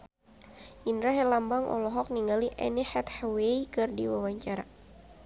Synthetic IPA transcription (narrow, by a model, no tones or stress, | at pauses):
ʔindɾaɦɛlambaŋʔɔ̰lɔɦɔk̚niŋɡaliʔɛ̰nihɛt̪hawejkɨrdiwawaɲt͡ʃaɾa